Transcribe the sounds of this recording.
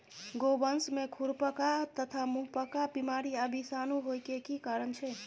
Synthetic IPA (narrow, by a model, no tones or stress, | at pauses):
ɡobənsmekʰuɾpəkat̪ət̪ʰamuɦpəkabimaɾiəbʱisanuɦojkekikaɾənt͡ʃʰɛ